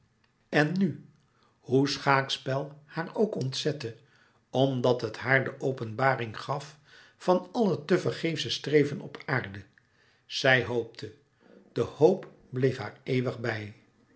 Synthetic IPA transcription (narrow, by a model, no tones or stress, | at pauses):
ɛnːy | husχaːkspɛlˠhaːɹowkɔntsɛtə | ɔmdɑtɦətɦaːɹdəʔowpənbaːrɪŋχɑf | fɑnɑlətəvəɹχejfsəstrejvənɔpʰaːɹdə | z̥ɛjɦowp̚tʰə | d̥əhowp | blejfɦa̰ːɹejʋəχbɛj